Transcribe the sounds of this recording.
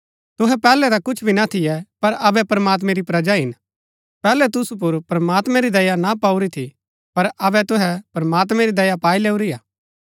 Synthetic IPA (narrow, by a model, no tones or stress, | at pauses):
t̪ʊɦɛpɛːlɛɾakʊt͡ʃʰbʱinat̪ʰɪjɛpɐɾɐbɛpɐɾɐmaːt̪̬mɛ̃ɾipɾɐd͡ʒaɦɪn | pɛːlɛt̪ʊsup̬ʊɾpɾɐmaːt̪mɛ̃ɾid̪ɐjanapaːuɾit̪ʰi | pɐɾɐbɛt̪ʊɦɛpɾɐmaːt̪mɛ̃ɾid̪ɐjapaːileːuɾijaː